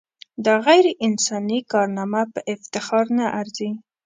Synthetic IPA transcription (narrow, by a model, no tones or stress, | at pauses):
d̪əɣajɾeʔɪnsɑnikɑɾnɑmapəʔɪft̪ɪxɑɾnaʔaɾzi